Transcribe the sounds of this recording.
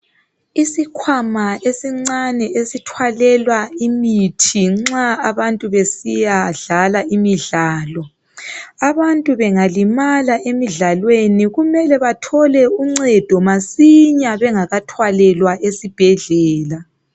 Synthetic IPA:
isikʰwamaesiŋ͡ǀanɛesitʰwalɛlwaimitʰiŋ͡ǁaaβantʼuβesijaɮalaʔimiɮaːlɔ | aβantʼuβɛŋalimalaʔemiɮalweniɣumɛlɛβatʰɔlɛuŋ͡ǀɛd̥ʱɔmasiɲaβɛŋaɣatʰwalɛlwaʔesib̥ʱɛɮɛːla

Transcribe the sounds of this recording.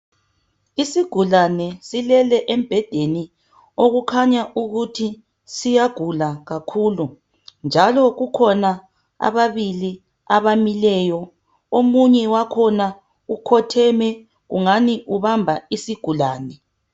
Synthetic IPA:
isiɡ̥ʱulanɛsilɛlɛʔemb̥ʱɛd̥ʱeni | oɣukʰaɲaʔuɣutʰi | sijaɡ̥ʱulaɣakʰuːlu | nd͡ʒʱalɔɣukʰɔna | a̰βaβili | aβamilɛːjɔ | omuɲɛwakʰɔna | ukʰɔtʰɛmɛ | ɣṵŋaniʔuβambʱaisiɡ̥ʱulaːnɛ

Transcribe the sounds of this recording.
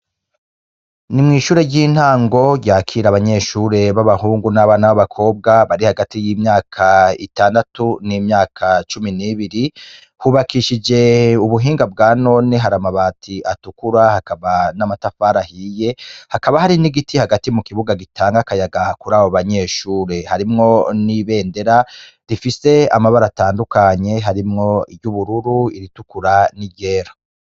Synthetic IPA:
nimŋiːʃuːɾejɟiːn̥haːŋɡo̞jaːkʰiːɾaβaɲe̞ːʃuːɾe̞βaβahuːŋɡunaβanaoβakʰo̞ːb̚ɡaβaɾihaɡatijiːmɲaːkʰaitaːndatunimɲaːkʰat͡ʃuminiβiɾi | huβakiʃid͡ʒe̞uβuɦiːŋɡab̚ɡaːno̞neɦaɾamaβaːtʰiʔatukuɾahakaβanamatafaːɾahiːje̞hakaβahaɾiniɡitihaɡatimukiβuɡaɡitʰaːŋɡakajaɡakuɾaːβoβaɲe̞ːʃuːɾe̞haɾimŋo̞niβe̞ːnde̞ɾa | ɾifise̞a̰maβaɾataːndukaɲe̞ɦaɾimŋo̞ibɟuβuɾuɾuiɾitukuɾaniɟeːɾḁ

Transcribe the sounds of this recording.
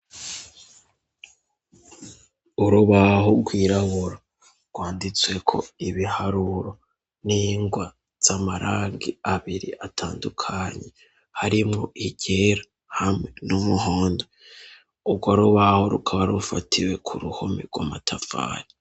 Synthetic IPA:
uɾuβaɦoɡwiːɾaβuɾa | ɡwaːndit͡swe̞kʰo̞̰iβihaɾuɾo̞ | niːŋɡwa | z̥amaɾʔaːŋɡiaβiɾiʔatʰaːndukʰaɲe̞ | haɾimŋo̰ʔiɟeɾa | hamŋe̞numuɦoːndo | ubɡwaɾuβaho̞ɾukʰaβaɾufatʰiwe̞kʰuɾuho̞mḛɡwamatʰafa̰ni

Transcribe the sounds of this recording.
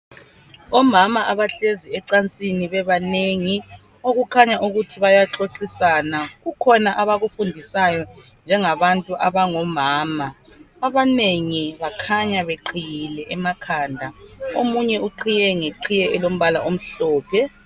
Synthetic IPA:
ɔmamaʔaβaɬeziɛǀant͡sʼiniβɛβaneŋi | oɣukʰaɲaʔuɣutʰiβajaǁoǁisanaɣukʰɔnaʔaβaɣufundʱisajɔ | nd͡ʒʱɛŋaβantʼuʔaβaŋɔmaːmaː | βaneŋiβakʰaɲaβeǃʰijilɛʔɛmakʰaːndʱaomuɲɛuǃʰijɛŋeǃʰijɛɛlom̩βalaʔom̩ɬɔːpʰɛ

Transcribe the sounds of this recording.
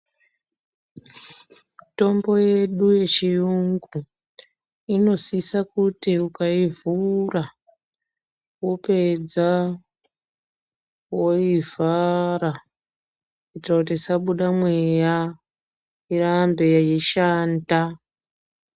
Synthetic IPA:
to̞mbo̞je̞ɗuje̞t͡ʃijuŋɡu | ino̞sisakutiukaivura | wope̞d͡za | wo̞ivaɾa | uitrakutisaɓuɗamwe̞ja | irambe̞jajiʃaːnda

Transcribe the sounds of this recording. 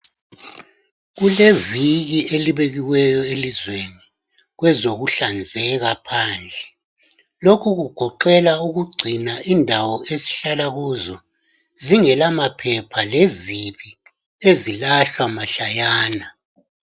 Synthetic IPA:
ɣuleviɣieliβeɣiwɛjɔelizweni | ɣwɛzoɣuɬand͡zʱɛɣapʰaːnd͡ɮʱɛ | lokʰuɣuɡ̥ʱɔǃɛlauɣuɡ͡ǀʱinaindʱawɔesi̥ɬalaɣuːzɔ | ziŋɛlamapʰɛpʰaleziβi | ezilaɬwamaɬajaːna

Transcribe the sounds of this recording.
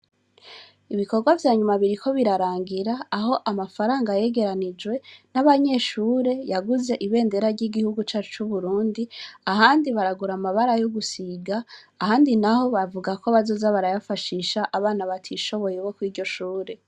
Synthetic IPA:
iβiko̞ɾɡwavjaːɲumaβiɾikʰo̞βiɾaɾaːŋɡiɾaːɦo̞ʔamafaɾaːŋɡaje̞ɡe̞ɾanid͡ʒwe̞naβaɲe̞ʃuːɾe̞jaɡuze̞ʔiβe̞ːnde̞ɾaɾɟiɡihuɡut͡ʃaːt͡ʃu̥t͡ʃuβuɾuːndiaɦaːndiβaɾaɡuɾamaβaɾajoɡusiɡaː | haːndinaho̞βavuɡako̞βazoːzaβaɾajafaʃiːʃaʔaβaːnaβatʰiʃo̞βo̞jeβo̞kwiːɾɟo̞ʃuːɾe̞

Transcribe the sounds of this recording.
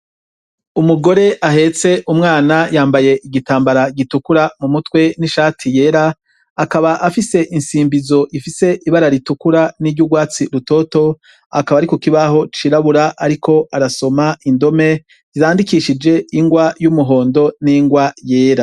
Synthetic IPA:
umuɡo̞ɾe̞ʔaɦe̞t͡se̞ʔumŋaːnajaːmbaje̞ʔiɡitaːmbaɾaɡitukuɾamumutwe̞niʃaːtʰije̞ːɾa | akaβaʔafise̞ʔinsiːmbizo̞ʔifise̞ʔiβaɾaɾitukuɾaniɾɟuɡwaːt͡siɾuto̞ːto̞ | a̰kaβaːɾikokiβaɦo̞t͡ʃiɾaβuɾaʔaɾikʰo̞aɾaso̞maindo̞me̞ | ziɾaːndikiʃid͡ʒe̞iŋɡwajumuɦo̞ːndo̞niŋɡwaje̞ːɾa

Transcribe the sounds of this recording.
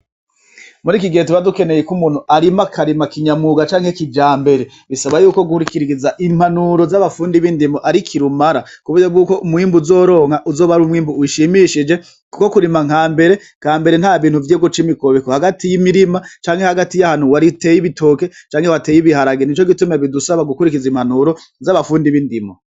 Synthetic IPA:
muɾikiɡe̞ːt̬iβaduke̞ne̞jekumuːn̥huʔaɾimakʰaɾimakiɲamuɡat͡ʃaːŋhekid͡ʒaːmbe̞ɾe | βisaβajuːko̞ɡuhuɾikiɾiɾizaʔimhanuɾo̞zaβafuːndiβiːndimoʔaɾikʰiɾumaɾakuβujab̚ɡuːko̞ʔumwiːmbuzo̞ːɾo̞ːŋhaʔuzoːβaɾumhiːmbuuʃimiʃid͡ʒe̞ | kuko̞kuɾimaŋ̥aːmbe̞ɾe̞ | kaːmbe̞ɾen̥haːβiːn̥huvjeːɡot͡ʃimikoβikohaɡatijimiɾimat͡ʃaːŋhe̞haɡatijahan̥uwaɾite̞ːjiβitʰoːke̞t͡ʃaːŋhe̞wateːjiβihaɾaɡenit͡ʃo̞ɡitumeβidusaβaɡukuɾikizimhanuɾo̞ | zaβafuːndiβindimo

